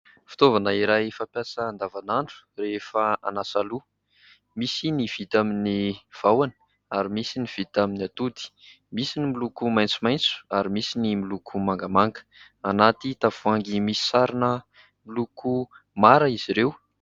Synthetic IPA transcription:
fi̥t̪ovanəiɾajfapjasəːnd̪avanaɳɖ͡ʐu̥refaa̰nasalu | misiniv̥it̪aminiv̥awanə̥ | aɾimisiniv̥it̪aminiat̪ud̪i̥ | misinimilukumajnt͡sumajnt͡su̥aɾimisinimilukʰumaŋɡamaŋɡə̥ | anat̪it̪av̥uaŋɡimisi̥saɾinə | miluku | maɾəiz̥iɾew

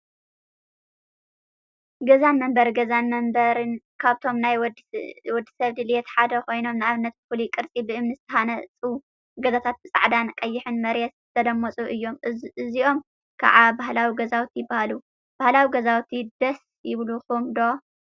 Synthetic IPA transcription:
ɡɐzanmɐmbɐɾɡɐzanmɐmbɐɾɨn | kʰaβt̪ʰo̞mnaj | wɔd̪ːi̥sɐβd̪ɨljet̪ħad̪ɐkʰo̞jno̞mnɨaβɨnːɐt̪̚bɨfulikʼɨɾt͡sʼibɨʔɨmnɨzɨt̪ʰɐxanɐt͡sʼɨu | ɡɐzat̪ʰat̪̚bɨsʼa̰ʕd̪ankʼɐjːɪħɨnmɐɾjɛt̪t̪ʰɐd̪ɐmːɐt͡sʼuʔɨjːo̞mɨziʔo̞m | kʰa̰ʕabaɦlawiɡɐzawt̪ʰijɪbːahalu | b̥ahlawiɡɐzawt̪ʰid̪ɐs | jɪβluxumd̪o

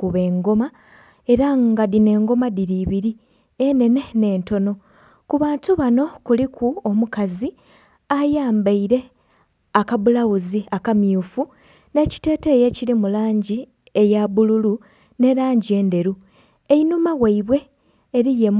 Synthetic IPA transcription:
kuβe̞ːŋɡo̞ma | e̞ɾaŋɡadine̞ːŋɡo̞madiɾiβiɾi | ene̞ne̞ne̞ːnto̞no̞ | kuβaːntuβano̞kulikʰuomukazi | ajaːmbaiɾe̞ | akaβulaɣuziakamjuːfu | ne̞ci̥te̞ːte̞ːje̞ciɾimulaːɲɟi | ejaβululu | ne̞ɾaːɲɟie̞ːnde̞ɾu | einumawaiβwe̞ː | ɾije̞m

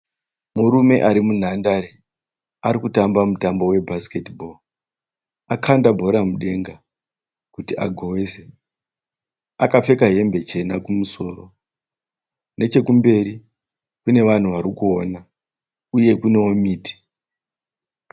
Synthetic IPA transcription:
muɾume̞ʔaɾimun̤andaɾe | aɾikutambamutambo̞we̞bʱaske̞tibʱo̞ | akʰandabʱo̞ɾamuɗe̞ŋɡa | kutia̰ɡʱowese | akafe̞kaɦe̞mbe̞t͡ʃe̞nakumuso̞ːɾo̞ | ne̞t͡ʃe̞kumbe̞ɾi | kune̞ʋan̤uʋaɾikuona | uje̞kune̞omiːti̥

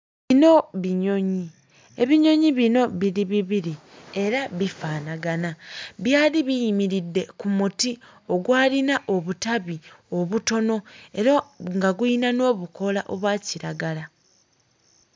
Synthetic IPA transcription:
βino̞βiɲo̞ɲi | e̞βiɲo̞ɲiβino̞βiliβiβiɾi | e̞ɾaβifaːnaɡanaβjaːliβijimiɾidːe̞kumuti | o̞ɡwaːlinaʔo̞βutaβio̞βuto̞no̞e̞ɾaŋɡaɡuinano̞ːβuko̞laʔo̞βwaːciɾaɡala

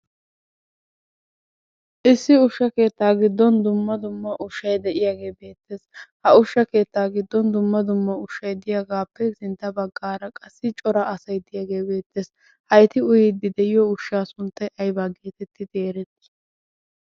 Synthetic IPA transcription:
ʔɪsːɪʊʃːɐke̞ːt̪ːaːɡɪd̪ːɔnd̪ʊmːɐd̪ʊmːɐʔʊʃːɐjd̪ɛʔɪjaːɡe̞ːbe̞ːt̪ːe̞ːshɐʊʃːɐke̞ːt̪ːaːɡɪd̪ːɔnd̪ʊmːɐd̪ʊmːɐʊʃːɐjd̪ɪjaːɡaːpːɛsɪnt̪ːɐbɐɡːaːɾɐkʼɐsːɪt͡ʃʼɔɾɐːsɐjd̪ɪjaːɡe̞ːbe̞ːt̪ʰːeːs | hɐjt̪ɪʊjɪd̪ːɪd̪ɛʔɪjɔʊʃːaːsʊnt̪ːɐjʔɐjbaːɡe̞ːt̪ɛt̪ʰːɪd̪eːɾɛt̪

